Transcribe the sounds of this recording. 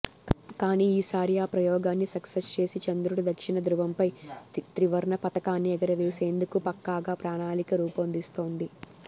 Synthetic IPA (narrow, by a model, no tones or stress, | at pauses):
kaːniːiːsaːɾijaːpɾɐjɔːɡaːnːisɐksest͡ʃe̞ːsit͡ʃɐnd̪ɾuɽɐd̪ɐkʂiɳɐd̪ɾuʋɐmpɐjt̪ɾiʋɐɾɳɐpɐt̪ɐkaːnːiɛɡɐɾɐʋeːse̞ːnd̪ukupɐkːaːɡaːpɾaːɳaːlikɐɾuːpɐnd̪ist̪o̞ːnd̪i